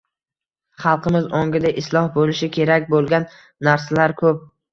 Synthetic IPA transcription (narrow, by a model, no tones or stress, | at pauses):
χɑlˠqʰɨmɪzɒŋɡʲɪd̪aʔɪslˠɒhbolɪʃɪkʲʰe̞ɾakʲbolˠɡʲanː | aɾsalaɾkʰɵp̚